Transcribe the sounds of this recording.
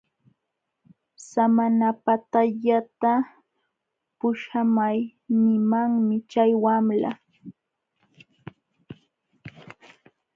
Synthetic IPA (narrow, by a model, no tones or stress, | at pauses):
samanapat̪aʎat̪a | pʊʃamajnɪmaŋmɪt͡ʃajwamla̰